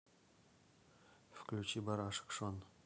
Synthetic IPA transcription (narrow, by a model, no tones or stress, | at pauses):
fklʲut͡ɕibɑɾɑʂɨ̥kʂon